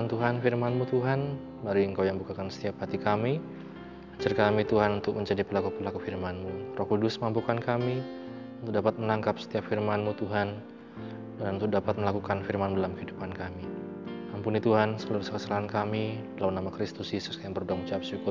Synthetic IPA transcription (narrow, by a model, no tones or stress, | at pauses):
ant̪uɦanfirmanmut̪uɦan | baɾuiəŋkawjaŋbukakansə̥t̪iap̚hat̪ikami | at͡ʃarkamit̪uɦanunt̪ʊk̚məɲd͡ʒadipəlakupəlakufirmanmurɔkudʊsməŋampukankami | unt̪ʊk̚dapat̪̚mənaŋkap̚sə̥t̪iap̚firmanmut̪uɦan | duɦanunt̪ʊk̚dapat̪̚məlakukanfirmanmudalamkəɦidupankami | ampunit̪uɦansəluɾuskəsəlaɦankamidəlaunamakɾist̪ʊsisu̥skajaŋbərudaŋmut͡ʃiap̚sukʊ